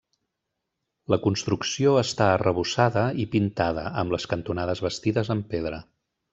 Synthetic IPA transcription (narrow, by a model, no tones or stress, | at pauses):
ləkunst̪ɾuksioəst̪aərəβusaðəipint̪aðə̰ʔəmbləskənt̪unaðəzβəst̪iðəzəmpeðɾə